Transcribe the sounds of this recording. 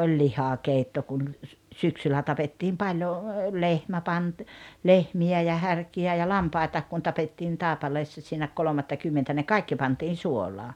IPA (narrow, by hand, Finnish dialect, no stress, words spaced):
olʲ lihɑkeitːo kun l syksylːæ tɑpetːiːm pɑljo lehmæ pɑnt lehmiæ jɑ hærkiæ jɑ lɑmpɑi̞tɑːk kun tɑpetːiːn tɑˑepɑleːsːɑ siːnæ kolomɑtːɑkymːentæ ne kɑikːi pɑntiːn suolˑɑː